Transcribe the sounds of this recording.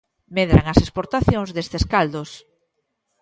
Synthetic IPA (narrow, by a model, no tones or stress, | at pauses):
meðɾaŋasespoɾt̪aθjoŋzðest̪eskald̪os